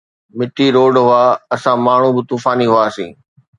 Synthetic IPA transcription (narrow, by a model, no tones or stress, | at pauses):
mɪʈʰiɾoːɖɦʊaɐsãmaːɳ̤ũbɪt̪uːfaːniɦʊaːsḭ̃ː